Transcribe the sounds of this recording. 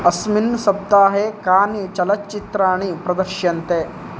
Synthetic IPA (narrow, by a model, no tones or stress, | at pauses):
ɐsminsɐb̚d̪aːɦeːkaːnit͡ʃɐlɐt͡ʃit̪ɾaːɳipɾɐd̪ɐɾʃjɐnt̪eː